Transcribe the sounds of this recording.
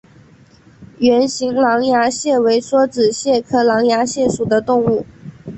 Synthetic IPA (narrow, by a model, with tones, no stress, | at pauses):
ɥɛ˧˥nɕi˧˥ŋlɑ˧˥ŋja˧˥ɕjɛ˥˩we˧˥ɪʂwɔ˥ʈ͡ʂɻ̩˨˩ɕjɛ˥˩kʰɤ˥lɑ˧˥ŋja˧˥ɕjɛ˥˩ʂu˨˩d̪ə˦t̪ʊ˥˧ŋu˥˩